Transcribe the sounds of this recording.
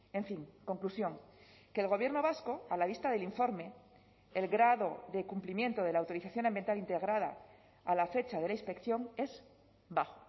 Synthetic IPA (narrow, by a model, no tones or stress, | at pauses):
e̞ɱfiŋko̞ŋklusjo̞ŋ | ke̞ːlɣo̞β̞jeɾno̞β̞asko̞alaβ̞ist̪aðe̞liɱfo̞ɾme̞ | elɣɾaðo̞ðekumplimje̞nt̪o̞ð̞e̞laːwt̪o̞ɾiθaθjo̞nambjent̪alint̪eɣ̞ɾaða̰ | alafe̞t͡ʃaðe̞lainspe̞kθjo̞ŋe̞z | baxo